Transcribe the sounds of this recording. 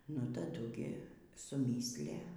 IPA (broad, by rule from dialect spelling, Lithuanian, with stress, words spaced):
nʊ tɐˈdʊ ɡʲɪ sʊˈmʲiːsʲlʲæ